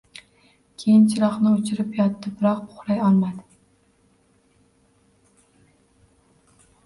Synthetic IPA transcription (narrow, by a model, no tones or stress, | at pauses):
kʲʰejɪnt͡ʃʰɪɾɒχnɪot͡ʃʰɪɾɪpjɒt̪ːɪbɪɾɒqpʰʊ̥χɾajɒlˠmad̪ɪ